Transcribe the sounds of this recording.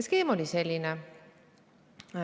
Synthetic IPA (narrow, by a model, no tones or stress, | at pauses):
skeːmolʲiselʲːinɛ